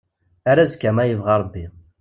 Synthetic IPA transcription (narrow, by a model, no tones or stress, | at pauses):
aɾæzkːæmæjəvʁɑɾˤbːi